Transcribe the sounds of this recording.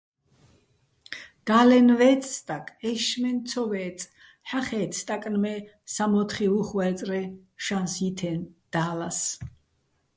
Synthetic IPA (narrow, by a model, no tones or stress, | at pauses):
ɡ̥alɛnvɛːt͡s̪ʼst̪ʼakʼɛʃmɛnt̪sʰɔvɛːt͡s̪ʼ | ħaχɛːt̪t̪ʼakʼnmɛ | samɔt̪ʰχiuχwɛːt̪t͡s̪ʼɾɛʃansit̪ʰɛnd̪̥aːlas